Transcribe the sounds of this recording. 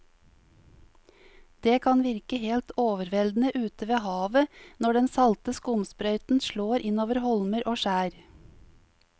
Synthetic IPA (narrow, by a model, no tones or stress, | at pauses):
d̪̥eːkʰɑnʋɪɾkəheːlt̪ʰoːʋəɾʋɛld̪n̩əʔʉːt̪əʋeːhɑːʋənɔɖɛnsɑlt̪əskʊmspɾœʏt̪n̩ʃloːɾʔɪnoːʋəɾhɔlməɾʔoːʃæːɾ